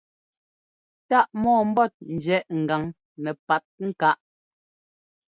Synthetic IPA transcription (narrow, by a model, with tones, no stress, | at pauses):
ta˦˨ʔmɔː˦˨m̩˦bɔ˦˨t̚n̩˨d͡ʒɛ˨˦ʔŋ̩˨ɡa˨ŋ | nɛ˨pa˨t̚ŋ̩˦˨ka˦ʔ